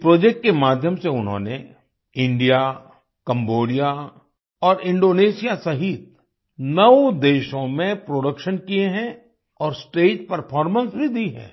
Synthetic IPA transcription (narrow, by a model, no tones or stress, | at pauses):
pɾoːd͡ʒek̚ʈ̚kemaːd̪ʱjəmseʊnɦõ̰ːne | ɪ̃ɳɖija | kɐ̃mboːɖija | ɔːɾɪ̃ɳɖoːneːʃijasɐɦit̪̚ | nɐʋd̪eːʃõmẽpɾoːɖəkʃənkieɦɛ̃ | ɔːɾsʈeːʈpɐɾpʰɔːɾmə̃nsbʱid̪iɦɛ̰̃ː